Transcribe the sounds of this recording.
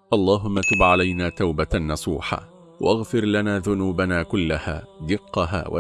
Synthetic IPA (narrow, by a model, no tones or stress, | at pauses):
ʔɑlˤːɑːɦʊmːat̪ʊːbʕalajnaːt̪awbanːɑsˤuːħa̰ː | wa̰ʔaɣfɪɾlanaːðʊnuːbanaːkʊlːaha̰ːd̪ɪqːɑɦa̰ːwa̰